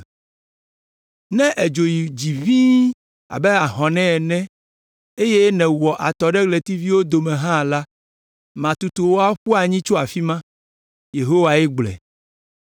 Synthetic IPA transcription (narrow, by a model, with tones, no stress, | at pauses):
nɛ̃˦ʔe˨d͡ʒo˨ji˨d͡ʑi˨vi˦ | a̰˨bɛ˦a˨ɦɔ̃˨nɛ̃˦ɛ˨nɛ̃˦ | e˦je˦nɛ̃˨wɔ˨ʔa˨t̪ɔ˨ɖɛ˦kle˨t̪i˦vi˦wo˦d̪o˨mɛ̃˨ɦã˦˨la˦ | mã˨t̪u˨t̪u˨wo˦a˦ɸu˦a˨ɲĩ˦t͡ʃo˦a˨fi˦mã˦ | je˨ɦo˦wa˨ɛ˦ɡ͡blɛ̰˨